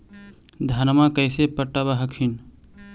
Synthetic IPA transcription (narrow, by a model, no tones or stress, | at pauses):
d̪ʱɐnmakəɪsepəʈːabaɦəkʰin